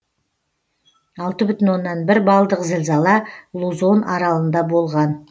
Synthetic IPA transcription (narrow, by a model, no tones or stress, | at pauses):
ɑlˠt̪əbʏt̪ɪnwo̞nːɑnbɪɾbɑlˠd̪əqzɪlzɑlˠɑlˠuzo̞nɑɾɑlˠənd̪ɑbo̞lˠʁɑn